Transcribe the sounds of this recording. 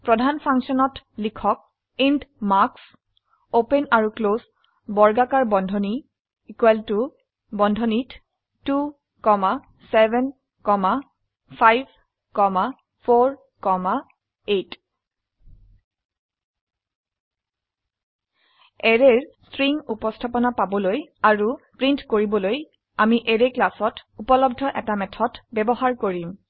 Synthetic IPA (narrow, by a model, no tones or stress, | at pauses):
pɹɔdʱanpʰaŋsɔnɔtlikʰɔk̚ | indmaks | openaɹuklos | bɔɹɡakaɹbɔndʱɔni | ikwaltu | bɔndʱɔnit | tu | kɔma | sɛbɛn | kɔma | pʰajb | kɔma | pʰoɹ | kɔma | et | ɛɹɛɹstɹiŋupɔstʰapɔnapabɔlojaɹupɹintkoɹibɔloj | amiʔɛɹɛklasɔtupɔlɔb̚dʱɔʔɛtamɛtʰɔtbɛbɔhaɹkoɹim